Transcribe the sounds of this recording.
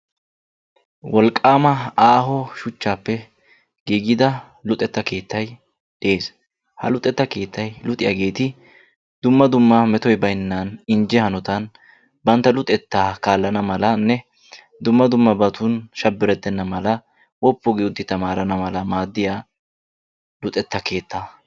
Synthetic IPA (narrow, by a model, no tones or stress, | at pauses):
wɔlkʼːaːmɐaːɦɔʃʊt͡ʃːaːpːɛ | ɡiːɡɪd̪ɐ | lʊt̪ʼɛt̪ːɐke̞ːt̪ːɐj | d̪e̞ːs | hɐ̰lʊt̪ʼɛt̪ːɐke̞ːt̪ːɐjlʊt̪ʼɪjɐ̰ɡe̞ːt̪ɪ | d̪ʊmːɐd̪ʊmːɐmɛt̪ɔjbɐjnːaːnɪnd͡ʒɛhɐnɔt̪ɐn | bɐnt̪ːɐlʊt̪ʼɛt̪ːaːkaːlːɐnɐmɐlɐnːɛ | d̪ʊmːɐd̪ʊmːɐbɐt̪ʊnʃɐbːɪɾɛt̪ːɛnːɐmɐlɐ | wɔpːɔɡɪʊt̪ːɪt̪ɐmaːɾɐnɐmɐlɐmaːd̪ːɪjaː | lʊt̪ʼɛt̪ːɐke̞ːt̪ːa